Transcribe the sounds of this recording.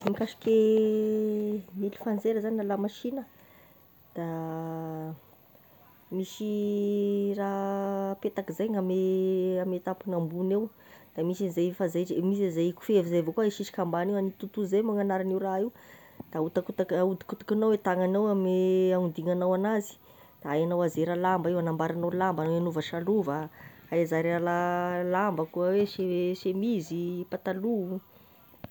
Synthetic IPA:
mikaʃi̥kʲe | mili̥fand͡zeɾəzanalamaʃinə | d̪̥a | misi | rapet̪akizajŋameamet̪apunambunew | d̪̥amisinizajfazaʈ͡ʂemis̬ezajku̥fevizajvakuaiʃiʃi̥kambanewanit̪ut̪uzejmaŋanaɾanewraiw | d̪̥aut̪akut̪akaut̪i̥kut̪ḁkanawet̪aŋanawameaund̪iŋanawanazi̥ | d̪̥aajanawazeɾalambaiwanambaɾanawlambanaanuvaʃaluvaajazaɾalalambakuəweseʃemizipat̪aluu

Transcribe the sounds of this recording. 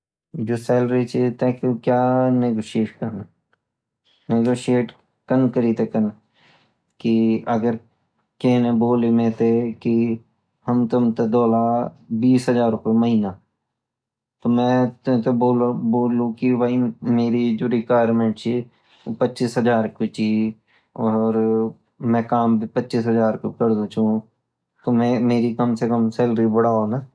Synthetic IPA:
d͡ʒoːseːlɾit͡ʃʰit̪ekkjaːneɡoːʃeːʈkəɾna | neɡoːʃieːʈ | kənkəɾit̪ekən | kiɐɡəɾ | kẽːnẽboːlemẽːt̪eki | hɐmt̪ʊmt̪ed̪ɔːlaːbiːsɦəd͡ʒaːɾʊpeməɦiːna | t̪omɛ̃ːt̪ʊ̃t̪eboːlboːlũkibaimeːɾid͡ʒoːɾɪkwaːjɾmẽːɳʈt͡ʃʰi | pətːt͡ʃiːsɦəd͡ʒaːɾkʊt͡ʃʰi | ɔːɾ | mɛ̃ːkaːmbʱipətːʃiːsɦəzaːɾkokəɾd̪ut͡ʃʰũː | t̪omẽmeːɾikəmsekəmselɾibʊɽaːona

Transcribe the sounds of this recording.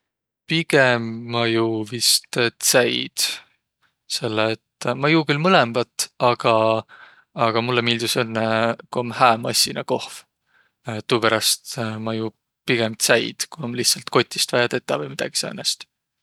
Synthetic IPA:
piɡ̥emːɑjuvist̪t̪sæjd̪̥ | se̞lːeet̪ːmɑjuːkylmɤlemb̥ɑt̪ːˑɑɡ̥ɑ | ɑɡ̥ɑmulːemiːld̪̥usønːekuomhæːmɑsʲinɑko̞hv | t̪uːpæɾɑst̪mɑju | piɡ̥emt̪sæjd̪̥kuomlihtsɑlt̪ko̞t̪ʲːˑi̥st̪vɑjɑt̪e̞t̪ːˑɑvɤjmid̪ɑ̰ɡ̥i̥seɑ̰nest̪

